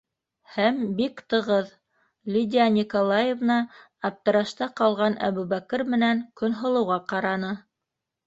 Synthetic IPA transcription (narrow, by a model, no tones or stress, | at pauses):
hæmbikt̪ɤ̆ʁɤð | lʲid̪ʲianʲikolˠɑjevnɑː | p̚t̪ɤ̆ɾɑʃt̪ɑqɑlˠʁɑnʔæ̰βʉβækɘɾmɘ̆næŋkɵ̆nɦŏlˠɤ̆wʁɑqɑɾɑnɤ